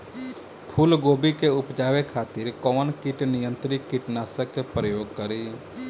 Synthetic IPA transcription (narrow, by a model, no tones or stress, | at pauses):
pʰulɡoːbikeʊpd͡ʒaːʋekʰaːt̪ɪɾkɔːnkɪʈnɪjə̃nt̪ɾiɪʈnaːsəkepɾəjoːɡ̚kəɾi